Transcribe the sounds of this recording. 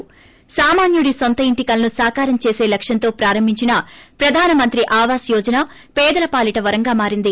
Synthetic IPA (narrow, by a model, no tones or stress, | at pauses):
saːmaːnjuɽisont̪ɐiɳʈikɐlɐnusaːkaːɾɐmt͡ʃe̞ːse̞ːlɐkʂjɐnt̪o̞ːpɾaːɾɐmbʱiɲt͡ʃinɐpɾɐd̪ʱaːnɐmɐnt̪ɾiʔaːʋaːsjɔːd͡ʒɐnaː | pɛːd̪ɐlɐpaːliʈɐʋɐɾɐŋɡaːmaːɾind̪i